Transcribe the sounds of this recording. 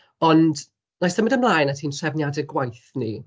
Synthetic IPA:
ɔnd | nasðəmədəmlˠaːjnatʰiːnsɛvnjadɛɡwajθnḭ

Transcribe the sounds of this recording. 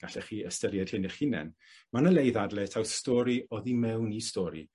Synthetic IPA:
ɡ̥aɬɛχiːəstəɾjɛd̥hɪnɛχinɛ̰n | manəlejðadlɛtʰawθstɔɾiʔɔðimɛwnistɔɾḭ

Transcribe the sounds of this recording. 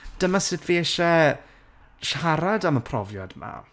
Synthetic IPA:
d̥əmasɨtviɛʃɛ | ʃaɾadaməpʰrɔvja̰dma̰

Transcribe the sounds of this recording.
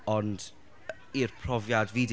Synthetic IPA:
ɔnd | irpʰrɔvjadvid

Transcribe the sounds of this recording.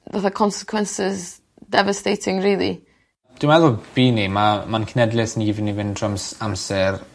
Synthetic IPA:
vaθakʰɔnsɪ̥kʰwɛnsɪz | dɛvastejtʰɪŋriːlˠḭ | d̥ɪmɛðʊb̥iːnimamankʰnɛdlɪsniivɪnivɪndʰrɔmsamsɛr

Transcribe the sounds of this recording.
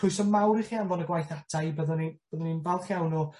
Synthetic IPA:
ʊjsɔmawɾiχianvɔnəɡwajθadʰajbəðnib̥əðɔninvɛlˠχjawnu

